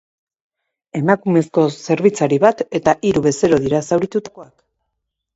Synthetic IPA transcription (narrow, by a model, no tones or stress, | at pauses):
e̞makume̞sko̞se̞ɾβ̞it͡saɾiβat̪e̞t̪aʔiɾuβe̞se̞ɾo̞ðiɾasawɾit̪ut̪ko̞ak